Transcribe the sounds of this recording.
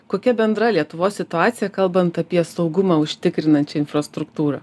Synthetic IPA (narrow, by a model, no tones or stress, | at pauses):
koːkʲɛbʲɛnd̪ɾɐlʲiɛt̪ʊʋoːsʲsʲɪt̪ʊɑːt̪sʲɪjɛkɐlˠbɐnt̪ɐpʲiɛsɒʊɡʊmɑːʊʃʲt̪ʲɪkɾʲɪnɐnʲt͡ʃʲɛɪnfɾɐst̪ɾʊkt̪uːɾɐ̰